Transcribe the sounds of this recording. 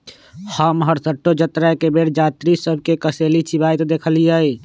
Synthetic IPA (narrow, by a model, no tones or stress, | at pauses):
həmɦəɾsəʈːod͡ʒət̪ɾakebeɽd͡ʒat̪ɾisəbʱkekəselit͡ʃʰibajt̪d̪ekʰəlijəi